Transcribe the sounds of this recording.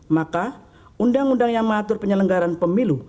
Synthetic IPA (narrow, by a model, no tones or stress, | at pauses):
maka | undaŋundaŋjaŋməat̪ʊrpəɲələŋɡaɾanpəmilu